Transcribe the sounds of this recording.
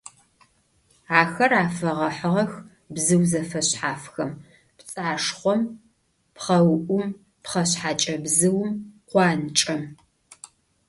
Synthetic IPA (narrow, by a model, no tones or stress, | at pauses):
aːxɐraːfɐʁɐħəʁɐx | bzɨwzɐfɐɕħaːfxɐm | pt͡sʼaːʂχʷɔm | pχɐwʔʷʊm | pχɐɕħaːt͡ʃʼɐbzɨwmqʷɑːnt͡ʃʼɐm